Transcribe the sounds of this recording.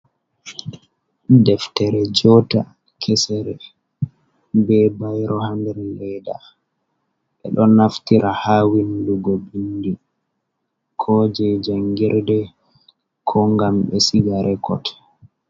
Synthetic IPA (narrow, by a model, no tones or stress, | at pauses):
dɛftɛɾɛd͡ʒɔta | kʰɛsɛɾɛ | bɛbajɾʔɔhandɛɾlɛːda | ɓɛ̰ɗɔnːaftiɾʔahaːwinluɡobindi | kʰɔd͡ʒɛd͡ʒaŋɡiɾdɛ | kʰɔŋɡamɓɛsiɡaɾɛkɔ̰t